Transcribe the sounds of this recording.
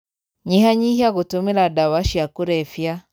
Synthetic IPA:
ɲihaɲihiaɣutumiladawaʃijakuɾɛfja

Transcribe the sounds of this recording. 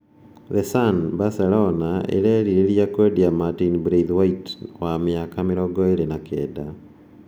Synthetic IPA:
ðɛsanbasɛlɔnaḛɾɛːɾiɾeɾijakwediamatinbɾeðwaitwamɪakameɾɔɡɔeɾenakɛ̰ːda

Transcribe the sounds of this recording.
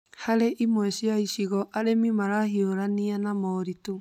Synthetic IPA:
haɾeʔimwɛɕiaiɕiɣɔʔaɾemimaɾahioɾanianamɔɾito

